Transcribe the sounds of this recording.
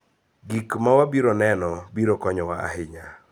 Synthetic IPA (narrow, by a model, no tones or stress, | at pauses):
ɡikmawabiɾonɛnɔbiɾokɔɲɔwaa̰hɪɲa